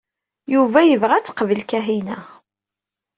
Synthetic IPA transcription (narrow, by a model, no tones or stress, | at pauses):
juvæjəvʁæt͡sːqvəlkæɦinæ